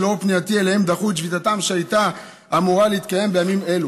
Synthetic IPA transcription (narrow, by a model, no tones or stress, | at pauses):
lo̞pniat̪ielehe̞md̪aχut̪ʃvit̪at̪amʃeajt̪a | ʔːmuʁaleit̪̚kaje̞mbe̞jamime̞lu